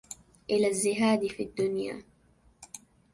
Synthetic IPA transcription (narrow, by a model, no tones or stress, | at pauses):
ʔɪlazːɪɦaːd̪ifid̪ːʊnja̰ː